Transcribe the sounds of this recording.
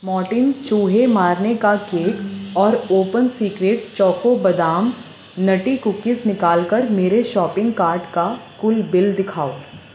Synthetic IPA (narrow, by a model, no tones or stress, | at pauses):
mɔːʈɪnt͡ʃuːɦemaːɾnekakeːkɔːɾoːpənsiːkɾeːʈ̚t͡ʃɔːkobɐd̪aːm | nɐʈikʊkɪsnɪkaːlkəɾmeːɾeʃɔːpɪ̃ŋɡkaːɾɖkakʊlbɪld̪ɪkʰaːo